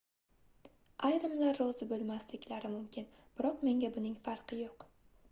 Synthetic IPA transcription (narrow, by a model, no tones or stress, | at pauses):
ajɾɪmlaɾːɒzɪbolˠmaslɪkʲlaɾɪmʊmkʲɪn | b̥ɪɾɒqme̞ŋɡʲabʊnɪŋfaɾqʰɨjoq